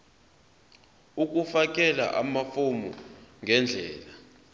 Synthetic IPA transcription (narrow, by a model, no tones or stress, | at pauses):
uk̬ʼufak̬ʼɛla̰ʔa̰mafomṵŋʱɛnd͡ɮʱɛːla